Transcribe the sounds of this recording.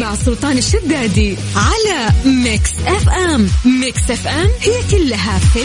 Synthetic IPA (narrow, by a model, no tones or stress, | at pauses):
maʕsˤːʊlt̪ˤɑːnɪʃːad̪ːaːd̪i | ʕalamɪksʔɛfʔɛmmɪksʔɛfʔɛmhɪjːakʊlːaɦafɪ